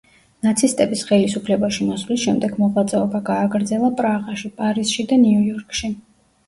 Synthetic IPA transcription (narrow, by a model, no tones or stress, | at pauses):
nat̪sʰist̪ʼɛbisχɛlisupʰlɛbaʃimɔsvlisʃɛmd̪ɛɡmɔʁwat̪sʼɛɔbaɡaːɡɾd̪zɛlˠapʼɾaʁaʃipʼaɾisʃid̪aniujɔɾkʼʃi